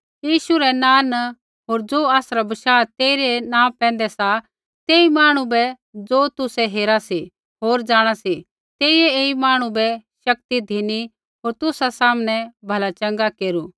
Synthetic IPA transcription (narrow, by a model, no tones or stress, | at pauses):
jiːʃuɾɛnãːnɐ | ɦoːɾd͡zoːaːsɾabɐʃaːt̪eːɾenãːpɛ̃ːn̆d̪ɛsa | t̪eːimaːɽ̃ũbɛ | d͡zoːt̪ʊsɛɦeːɾasi | ɦoːɾd͡ʒaːɽ̃asi | t̪eːijɛeːimaːɽ̃ũbɛʃɐk̚t̪id̪ʱini | ɦoːɾt̪ʊsasaːmñɛ̃bʱɐlat͡ʃɐ̃ŋɡakeːɾuː